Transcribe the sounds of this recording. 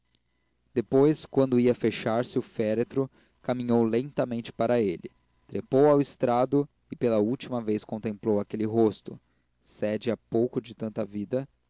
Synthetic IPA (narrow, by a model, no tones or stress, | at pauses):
d̪̥epojskwɐ̃nd̪ʊiɐfeʃaɾsɪʊfɛɾet̪ɾʊ | kamĩɲowlẽnt̪ɐmẽnt͡ʃɪ̥paɾɐelɪ | t̪ɾepowawɪst̪ɾad̪ʊ | ɪpelɐuwt͡ʃimɐvejskõnt̪ẽmplowakelɪɦost̪ʊ̰ | sɛd͡ʒɪapowkʊd͡ʒɪt̪ɐ̃nt̪ɐvid̪ɐ